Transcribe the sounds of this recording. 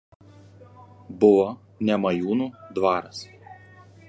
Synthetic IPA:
bʊʋoː | nʲɛmɐjuːnuːd̪ʋɑːɾɐs

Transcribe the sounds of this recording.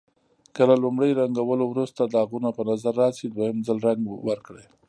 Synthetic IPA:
kəlalʊmɽəjɾaŋɡawəlowɾust̪ad̪əaɣunapənazaɾːɑsid̪wajəmzəlɾaŋɡwəɾkɽej

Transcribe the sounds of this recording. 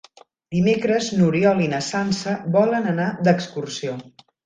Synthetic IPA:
d̪imekɾəznuɾiɔlinəsansəβɔlənənad̪əkskursio

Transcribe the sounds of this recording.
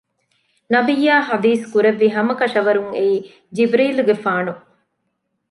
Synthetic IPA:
nɐbijːaːɦɐd̪iːskuɾeʋːiɦɐmɐkɐʃɐʋɐɾuŋeiː | d͡ʒibɾiːluɡefaːnu

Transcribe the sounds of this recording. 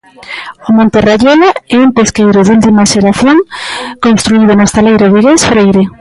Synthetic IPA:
ʊmõnt̪eraʎolaɛumpeskejɾʊðult̪imaʃeɾaθjoŋkonst̪ɾuið̞ʊnʊst̪alejɾoðeɣesfɾejɾe

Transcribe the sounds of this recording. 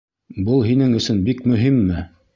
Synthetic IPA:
bɤlˠɦinɘŋɵ̆sɵnbikmɵ̆ɦimːɘ

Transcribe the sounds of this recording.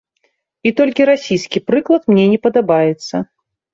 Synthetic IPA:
it̪ɔlʲkʲiɾasʲijskʲipɾɨklˠɐt̪mnʲɛnʲɛpɐd̪abajɛt̪sːɐ

